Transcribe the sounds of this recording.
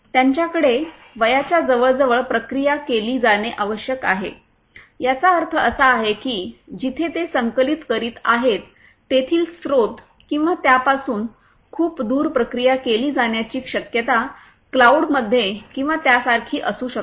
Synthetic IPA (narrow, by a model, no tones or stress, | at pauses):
t̪jaɲt͡ɕjakəɽe | ʋəjat͡ɕjad͡zəʋəɭd͡zəʋəɭpɾəkɾijakeliːd͡zaɽ̃eʔaʋəɕjəkaɦḛ | jat͡saəɾt̪ʰəəsaːɦekiːd͡ʑit̪ʰet̪esəŋkəlit̪kəɾiːt̪aɦet̪ː | et̪ʰiːlsɾod̪ | kĩw̃ʋat̪japasuːn | kʰuːpd̪uːɾpɾəkɾijakeliːd͡zaɳjat͡ɕiːkɕəkjət̪a | klauɽməd̪ʱːjekĩw̃ʋat̪jasaɾkʰiːʔəsuːɕək